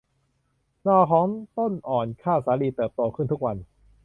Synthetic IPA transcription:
nɔː˧˩kʰɔː˩˦ŋt̪o˥˩nʔɔː˨˩nkʰaː˥˩wsaː˩˦˥liː˧˩t̪ɤː˨˩p̚t̪oː˧kʰɯ˥˩nt̪u˦˥k̚wa˧n

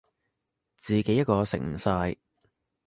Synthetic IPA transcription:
t͡siː˨ke˨˥jɐ˥t̚kɔː˧sɪ̰˨˩ŋm̩˨˩saː˧j

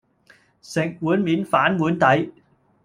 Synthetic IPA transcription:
sɪ˨˩ŋmu˨˦ənmi˨˦ənfaː˨˧˥nmu˨˦ənt̪a˨˦j

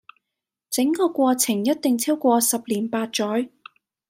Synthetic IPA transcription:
t͡sɪ˨˥ŋkɔː˧kʷɔː˧t͡sʰɪ˨˩ŋjɐ˥t̚t̪ɪ˨ŋt͡sʰiː˥wkʷɔː˧sɐ˨p̚liː˨˩npaː˧t̚t͡ʃɔː˨˥j

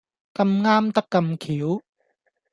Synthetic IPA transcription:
kɐ˧mŋaː˥mt̪ɐ˥kːɐ˧mkʰiː˨˦w

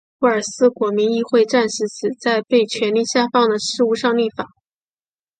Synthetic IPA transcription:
u˥˩ə˞˨˩sɹ̩˥kwɔ˧˥mi˧˥ŋi˥˧xwe˥˧ɪʈ͡ʂa˥˧nʂɻ̩˧˥t͡sʰɹ̩˨˩t͡sa˥˧ɪpe˥˩ɪt͡ɕʰɥɛ˧˥nli˥˩ɕja˥˧fɑ˥˩ŋd̪ə˩ʂɻ̩˥˧u˥˧ʂɑ˥˧ŋli˥˩fa˨˩˦

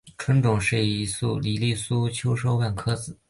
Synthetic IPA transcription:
ʈ͡ʂʰwə˧˥nʈ͡ʂʊ˨˩ŋʂɻ̩˥˩i˧˥su˥˩li˨˩li˥˩su˥t͡ɕʰjo˥ʊʂo˥ʊwa˥˩nkʰɤ˥t͡sɹ̩˨˩˦

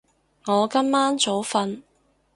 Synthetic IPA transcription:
ŋɔː˨˧kɐ˥mːaː˥nt͡so˨˥wfɐ˧n

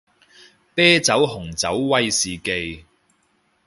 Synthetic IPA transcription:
pɛː˥t͡sɐ˨˥wɦʊ˨˩ŋt͡sɐ˨˥wːɐ˥jsiː˨ke˧j

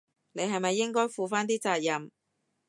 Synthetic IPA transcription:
ne˨˧jɦɐ˨jmɐ˨jːɪ˥ŋkɔː˥jfuː˨faː˥nt̪iː˥t͡saː˧t̚jɐ˨m

